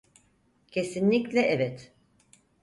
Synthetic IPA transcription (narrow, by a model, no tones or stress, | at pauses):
cʰe̞sinlʲiclʲɛʔɛvɛt̪